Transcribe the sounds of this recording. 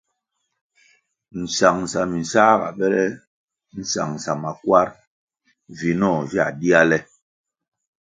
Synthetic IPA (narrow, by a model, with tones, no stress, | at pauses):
n̩˨sa˨ŋsa˨mi˨sa˦ɣa̰˨ɓɛ˦lɛ˦ | n̩˨sa̰˨ŋsa˨ma˨kwa˦ɾ | vi˨nɔ˦˨vi˦a̰˨di˦a˦lɛ˦